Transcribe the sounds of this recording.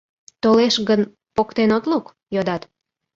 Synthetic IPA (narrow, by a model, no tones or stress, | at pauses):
t̪oleʃɣən | pokt̪enot̪luk | jod̪ɑt̪